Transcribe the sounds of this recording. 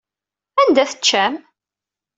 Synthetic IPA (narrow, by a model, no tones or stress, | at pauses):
ænd̪æθət͡ʃːæm